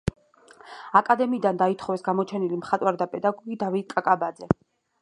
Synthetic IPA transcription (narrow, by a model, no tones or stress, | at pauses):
akʼad̪ɛmiːd̪and̪ait̪ʰχɔvɛsɡamɔt͡ʃʰɛnilimχat̪ʼwaɾd̪apʼɛd̪aɡɔɡid̪avit̪̚kʼakʼabad̪zɛ